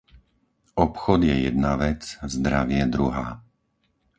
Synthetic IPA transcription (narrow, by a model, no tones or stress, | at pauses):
ɔpxɔd̪jɛjɛd̪̚naʋɛt͡szd̪ɾaʋɪɛd̪ɾuɦaː